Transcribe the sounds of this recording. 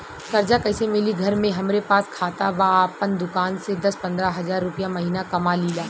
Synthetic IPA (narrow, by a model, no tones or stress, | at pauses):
kɐɾd͡ʒakɐɪsemɪliɡʱɐɾmẽɦɐmɾepaːskʰaːt̪abaːpənd̪ʊkaːnsed̪ɐspɐ̃nd̪ɾaɦɐzaːɾːʊpijamɐɦiːnakɐmaliːlaː